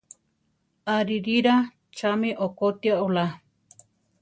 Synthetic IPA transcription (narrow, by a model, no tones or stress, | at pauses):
aɾiɾiɾa | t͡ʃamĩʔokot̪iaola